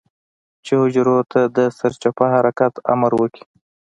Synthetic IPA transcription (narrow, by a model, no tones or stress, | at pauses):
t͡ʃehʊd͡ʒɾot̪ʰad̪əsaɾt͡ʃapahaɾakat̪a̰maɾwəki̥